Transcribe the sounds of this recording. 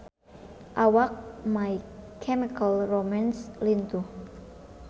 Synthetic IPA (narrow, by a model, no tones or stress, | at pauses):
ʔawak̚majkʰɛmikalromanslint̪u